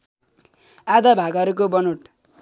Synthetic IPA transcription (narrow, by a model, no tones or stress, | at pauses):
ad̪abʱaɡʌɾukobʌnuʈ